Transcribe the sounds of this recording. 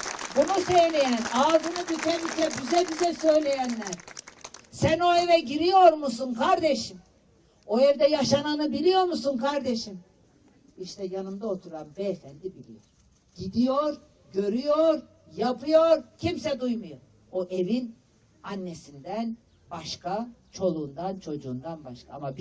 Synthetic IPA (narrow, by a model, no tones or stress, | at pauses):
bunusejlʲejænaːd̪ɯnɯb̪yt̪ʰɛnyc̪ʲʰɛpyzɛbizɛsø̞jlʲe̞jænlʲæɾ | sæno̞evɛɟiɾijo̞ɾmusunkʰaɾd̪eʃim | o̞evd̪ɛjaʃananɯbilʲijo̞ɾmusunkʰaɾd̪eʃim | iʃt̪ʰɛjanɯmd̪aot̪ʰuɾanbɛefænd̪ibilʲḭjo̰ɾ | ɟ̥id̪ijoɾ | ɟø̞ɾyjoɾ | japɯjoɾcʰimsɛd̪ujmujoɾ | oʔevin | anːesind̪æn | baʃkʰat͡ʃʰo̞lˠuːnd̪ant͡ʃʰo̞d͡ʒuːnd̪anbaʃka̰amab